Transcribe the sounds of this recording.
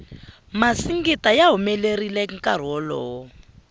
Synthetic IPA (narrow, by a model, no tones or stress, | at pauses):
masiŋɡitajaɦumɛlerilɛŋ̩kʼar̤ɔlɔː